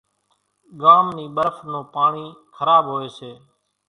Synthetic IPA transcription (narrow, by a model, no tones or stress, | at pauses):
ɠaːmniːɓəɾfnoːpaːɳiːkʰəɾaːbɦoːeːseː